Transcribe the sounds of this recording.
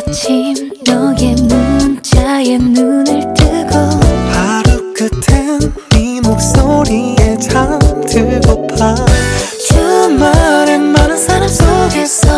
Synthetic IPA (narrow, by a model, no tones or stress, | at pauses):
t͡ɕʰim | jʌɡenunt͡ɕajenunɯɭt͈ɯɡʌhaɾuk͈ɯtʰen | imok̚s͈oɾiet͡ɕʰamtʰɯɭɡʌpʰa | t͡ɕumaɾenmanɯnsʰaɾams͈oɡe̞sʰʌ